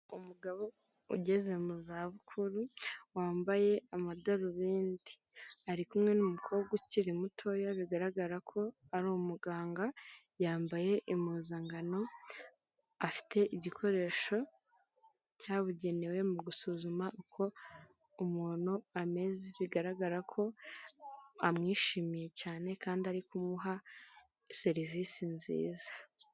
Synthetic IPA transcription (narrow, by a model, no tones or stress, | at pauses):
umuɡaβo̞ | ṵɟe̞ze̞muzaβukʰuɾuwaːmbaje̞amadaɾuβiːndi̥ | aɾikumŋe̞numukʰoːɡwaciɾimutʰo̞jaβiɡaɾaɡaɾakʰo̞ | aɾumuɡaːŋɡa | jaːmbaje̞ʔimuːzaŋɡano̞ | afi̥tʰe̞ʔiɟikʰo̞ɾe̞ːʃo̞ | caːβuɟe̞ne̞we̞muɡusuzumaʔukʰo̞ | umuːn̥huame̞zeβiɡaɾaɡaɾakʰo̞ | amŋiːʃiːmije̞caːne̞kaːndiaɾikumuɦa | se̞ɾiviːsinzḭːzḁ